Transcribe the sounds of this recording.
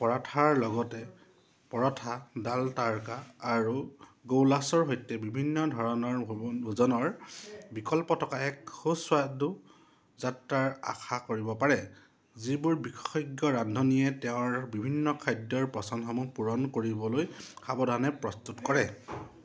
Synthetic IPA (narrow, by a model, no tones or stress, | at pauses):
pɔɹatʰaɹlɔɡɔtɛ | pɔɹɔtʰadaltaɹkaːɹuɡowlasɔɹɦojtɛbibʱinːɔdʱɔɹɔnɔɹbʱuzɔnɔɹbikɔlpɔtʰɔkaɛkhuswadu | zatɹaɹa̰xʰakoɹibɔpaɹɛ | zibʊɹbikxɔɡjɔɹandʱɔnijɛtɛʊ̃ɹbibʱinːɔkʰajdːɔɹpɹɔsanxɔmupuɹɔnkoɹibɔlojkʰabɔdʱanɛpɹɔstutkɔɹɛ